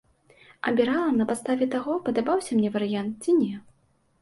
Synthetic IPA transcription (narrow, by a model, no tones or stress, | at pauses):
ɐ̰bʲiɾalˠɐnɐpat̪st̪avʲɛt̪aɣɔpɐd̪abawsʲɐmnʲɛvɐɾɨjant̪̚t͡sʲinʲɛ